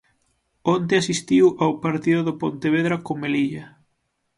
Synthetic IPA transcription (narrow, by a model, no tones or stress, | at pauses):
ont̪̬eɪasist̪iwʔawpaɾt̪iðʊðopont̪eβ̞eðɾakomeliʎɐ